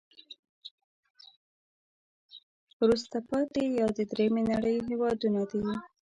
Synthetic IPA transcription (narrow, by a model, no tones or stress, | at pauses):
wɾust̪apɑt̪ejɑd̪əd̪ɾemenaɽəjɦewɑd̪unad̪awi